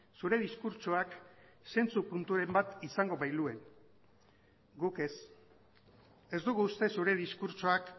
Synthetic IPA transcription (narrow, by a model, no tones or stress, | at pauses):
suɾe̞ð̞iskuɾt͡ʃoakse̞nt͡supunt̪uɾe̞mbat̪isaŋɡo̞βajlue̞n | ɡuke̞s | e̞zd̪uɣ̞uːst̪e̞suɾe̞ðiskuɾt͡ʃoak